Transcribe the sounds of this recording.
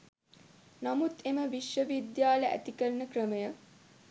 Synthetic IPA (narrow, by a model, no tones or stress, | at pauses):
namut̪eməʋiʃʋəʋid̪jaːləʔæ̰t̪ikəɾənəkrəməjə